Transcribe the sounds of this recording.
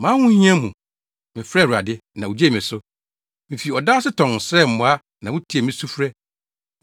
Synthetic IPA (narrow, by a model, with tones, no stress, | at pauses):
mãː˦hʊ̃˦ɲ˦ɲ˦ɛ̃˦mũ˨ | mɪ̃˨fɾɛ˦˨a̰˨dɪ˦nã˨wu˨d͡ʑe˦˨mɪ̃˨sʊ˦ | mĩ˨fi˨ɔ˨daː˦sɪ˦tʰɔ̃˨n˨sɾɛ˦˨m̩˨mʊ̃˨˦a˦ | nã˨wʊ̃˦tʰi˨e˨mĩ˦su˦fɾɛ˦